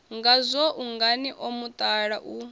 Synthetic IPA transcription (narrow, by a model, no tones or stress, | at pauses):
ŋɡazʷɔʔuŋɡaniʔomut̪ʼaɺaʔu